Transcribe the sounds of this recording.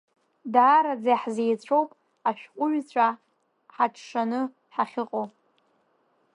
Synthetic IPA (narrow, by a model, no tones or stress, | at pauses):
daːɾad͡zajħzejt͡ɕʷʰʼowpʼ | aʃᶣqʷʼʊɥt͡ɕʷʰʼa | ħaʈ͡ʂʰʂanɨ | ħaχʲɪqʼowpʼ